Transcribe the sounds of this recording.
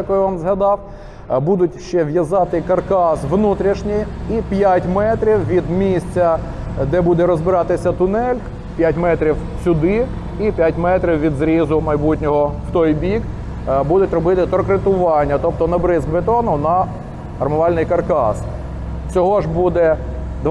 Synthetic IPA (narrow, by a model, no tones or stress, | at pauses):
ɐkɔjʋɑmzɦɐd̪ɑw | bud̪ʊtʲʃt͡ʃɛʋjɐzɑt̪ɪkɐrkɑsʋnut̪ɾʲiʃnʲɪjipʲjatʲmɛt̪ɾʲiwʋʲid̪mʲisʲt͡sʲɐ | d̪ɛbud̪ɛɾɔzbɪɾɑt̪ɪsʲɐt̪ʊnɛlʲk | pʲjatʲmɛt̪ɾʲiw | sʲʊd̪ɪ | ipʲjatʲmɛt̪ɾʲiwʋʲid̪zɾʲizʊmɐjbutʲnʲɔɦɔwt̪ɔjbʲik | bud̪ʊtʲrɔbɪt̪ɪt̪ɾɔkɾɪt̪ʊʋɑnʲːɐt̪ɔp̚t̪ɔnɐbɾɪzbet̪ɔnʊnɐ | ɐrmʊʋɑlʲnɪjkɐrkɑ̰s | t͡sʲɔɦɔʒbud̪ɛd̪